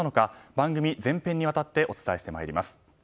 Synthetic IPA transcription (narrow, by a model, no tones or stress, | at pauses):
ano̞kabãŋɡɯ̟mʲid͡zẽ̞mpẽ̞ɲ̟ːiβat̪at̪ːe̞ʔo̞t͡sɨ̥t̪aeɕi̥t̪e̞ma̰eɾʲimasɨ̥